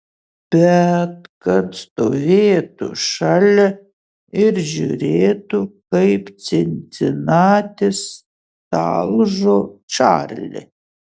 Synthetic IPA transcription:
b̥ʲɛt̪kɐt̪st̪oːvʲeːɛt̪ṵʃalʲɛ | ɪɾʒʲṵɾʲeːt̪ukɐɪp̪t͡s̪ʲɪnʲt̪ʲɪnɑːt̪ʲɪs | t̪ɑ̰lˠʒoːt͡ʃa̰ːrʲlʲɪ̰

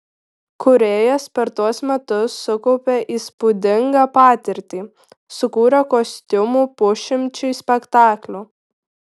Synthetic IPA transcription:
kʊɾʲeːjɛspʲɛɾt̪uɔsmʲɛt̪ʊsːʊkɔʊpʲeːʔiːspud̪ʲɪŋɡɑːpɑːt̪ʲɪɾʲt̪ʲiː | sʊkuːɾʲɛkosʲt̪ʲʊmuːpʊʃʲɪmʲt͡ʃʲʊsʲpʲɛkt̪ɑːklʲu

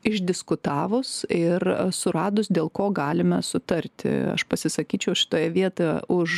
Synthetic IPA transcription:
ɪʒʲd̪ʲɪskʊt̪ɑːʋʊsɪrsʊɾɑːd̪ʊsd̪ʲeːlˠkoːɡɑːlʲɪmɐsʊt̪ɐɾʲt̪ʲɪ̰ɐ̰ʃpɐsʲɪsɐkʲiːt͡ʃʲɛʊʃʲɪ̥t̪oːjɛʋʲiɛt̪ojɛʊʃ

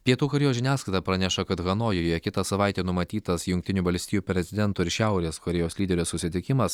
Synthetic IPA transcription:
pʲiɛt̪uːkɐɾʲɛjoːsʲʒʲɪnʲæːskɐɪt̪ɐpɾɐnʲɛʃɐkɐt̪ɣɐnoːjoːjoːjɛkʲɪt̪ɐsɐʋɐɪt̪ʲeːnʊmɐt̪ʲiːt̪ɐsjʊŋkʲt̪ʲɪnʲuːʋɐlʲsʲt̪ʲɪjuːpʲɾʲɛzʲɪd̪ʲɛnt̪uːɪɾʃʲæʊɾʲeːskɐɾʲɛjoːslʲiːd̪ʲɛɾʲɛssʊsʲɪt̪ʲɪkʲɪmɐs

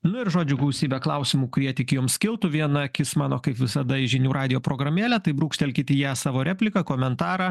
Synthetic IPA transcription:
nʊɪɾʒoːd͡ʒʲʊɡˠɐʊsʲiːbʲɛklˠɐʊsʲɪmuːkʊɾʲiɛt̪ʲɪkʲɪjoːmsʲkʲɪlˠt̪ʊʋʲiɛnɐkʲɪsmɑːnoːkɐɪpʋʲɪsɐd̪ɐɪʒʲɪnʲuːɾʔɑːd̪ʲɪjoːpɾoːɡɾɐmʲeːlʲæt̪ɐɪbɾuːkʃʲt̪ʲɛlʲkʲɪt̪ʲɪjæːsɑːʋoːɾʲæːpʲlʲɪkɐkoːmʲɛnt̪ɑːɾɑ

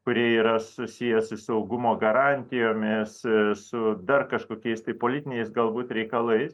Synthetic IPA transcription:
kʊɾʲiɛiːɾɐsʊsʲijɛsʊsʊɐʊɡʊmoːɡɐɾɑnʲt̪ʲɪjoːmʲɪssʊd̪ɐrkɐʃkoːkʲɛɪst̪ɐɪpoːlʲɪt̪ʲɪnʲɛɪsɡɐlˠbuːt̪ɾʲɛɪkɐlˠɐɪs

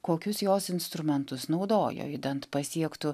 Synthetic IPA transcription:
koːkʲʊsjoːsɪnst̪ɾʊmʲɛnt̪ʊsnɒʊd̪oːjo̰ːɪd̪ɐnt̪pɐsʲiɛkt̪ʊ

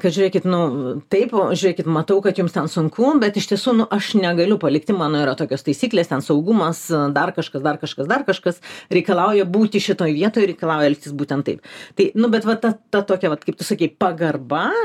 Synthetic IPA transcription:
kɐʒʲʊɾʲeːkʲɪt̪nʊt̪ɐɪpoːʒʲʊɾʲeːkʲɪt̪mɐt̪ɐʊkɐt̪jʊmst̪ʲɛnsʊŋkuːbʲɛt̪ɪʃt̪ʲiɛsuːnʊʔɐʃnʲɛɡɐlʲʊpɐlʲɪk̚t̪ʲɪmɑːnoːiːɾɐt̪oːkʲoːst̪ɐɪsʲiːklʲeːst̪ʲɛnsɐʊɡʊmɐsd̪ɐrkɐʃkɐsd̪ɐrkɐʃkɐsd̪ɐrkɐʃkɐsɾʲɛɪkɐlˠɑʊjɛbuːt̪ʲɪʃʲɪt̪oːjʋʲiɛt̪oːjɾʲɛɪkɐlˠɑʊjɛlʲɪk̚ʲt̪ʲɪsbuːt̪ʲɛnt̪ɐɪpt̪ɐɪnʊbʲɛt̪ʋɐt̪ɐt̪ɐt̪oːkʲɛʋɐt̪kɐɪp̚t̪ʊsɐkʲeɪpɐɡɐrbɐ

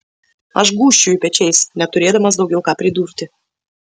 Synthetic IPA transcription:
a̰ʃ̬ɡuʃt͡ʃujpʲet͡ʃejsʲnʲap̚t̪uɾʲed̪əmas̬d̪owɡʲɛlkapɾid̪urt̪ʲɪ

